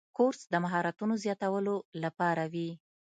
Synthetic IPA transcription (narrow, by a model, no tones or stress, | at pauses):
koɾsd̪əmaɦɑɾat̪unozjɑt̪awəlolapɑɾawi